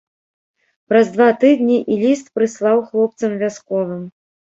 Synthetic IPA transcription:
pɾɐzd̪vat̪ɨd̪nʲiʔilʲist̪pɾɨslˠawxlˠɔp̚t̪sɐmvʲaskɔvɨm

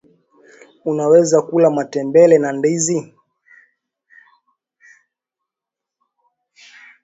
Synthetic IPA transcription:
unawɛzakulamatɛmbɛlɛnandizi

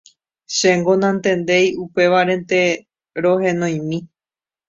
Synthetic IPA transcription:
ʃeŋɡõ̞nãnt̪ẽ̞nd̪e̞jupe̞ʋaɾẽ̞nt̪e̞ | ɾoɦẽ̞nõj̃mĩ

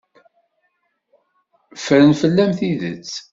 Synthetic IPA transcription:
fəɾənfəlːæmθiðə̰t͡sː

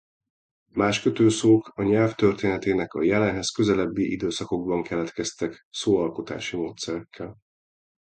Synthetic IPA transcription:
maːʃkøt̪øːsoːkɒɲɛlft̪ø̞rt̪eːnɛt̪eːnɛkɒ̰jɛlɛnɦɛskø̞zɛlɛbːiʔid̪øːsɒko̞ɡbɒŋkʰɛlɛt̪kɛst̪ɛksoːɒlko̞t̪a̰ːʃimoːt̪sɛɾɛkʰːɛl

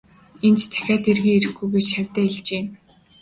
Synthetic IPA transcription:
ent̪t̪ʰːæ̥xʲæːt̪erɣiːeɾɘ̆xɡujɡet͡ɕʃæwʲt̪æːeɮt͡ɕeː

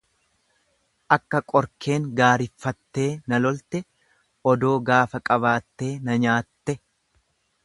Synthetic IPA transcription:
ʔɐkːɐkʼɔɾkʰe̞ːŋɡaːɾɪfːɐt̪ːe̞ːnɐlɔlt̪ɛ | ʔɔd̪o̞ːɡaːfɐkʼɐβaːt̪ːe̞ːnɐɲaːt̪ːɛ

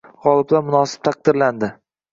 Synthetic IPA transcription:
ʁɒlˠɪblaɾmʊnɒsɪ̥p̚t̪ʰaq̚d̪ɪɾland̪ɪ

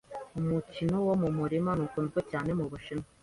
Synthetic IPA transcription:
umucinowomumuɾimanukunzɡecaːne̞muβuʃino

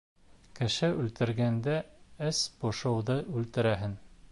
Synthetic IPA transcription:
kɘ̆ʃɘʔʉlt̪ɘ̆ɾɡænd̪æɘsbŏʃɤ̆wðɤʔʉlt̪ɘ̆ɾæɦɘn

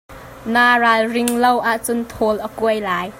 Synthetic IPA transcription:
naːralrɪŋlowʔaʔt͡sʊnt̪ʰɔlʔəkuəjlaːj

